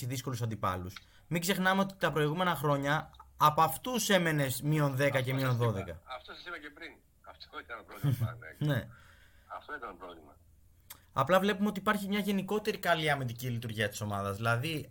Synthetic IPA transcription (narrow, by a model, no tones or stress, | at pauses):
iðisko̞lusɐnd̪ipɐ̰lus | miɡze̞xnɐmeo̞t̪it̪ɐpɾo̞iɣume̞nɐxɾo̞ɲɐːpɐft̪use̞me̞ne̞smio̞nðe̞kɐce̞mionðo̞ðe̞kɐɐft̪osɐsipɐcepɾin | ɐfoit̪ɐnpɾone̞ | ɐft̪oit̪ɐnopɾovlimɐ | ɐ̰plɐvle̞pumeot̪ipɐɾçimɲɐʝe̞niko̞t̪e̞ɾikɐliɐmit̪̬icilit̪uɾʝiɐt̪i̥so̞mɐðɐzðilɐði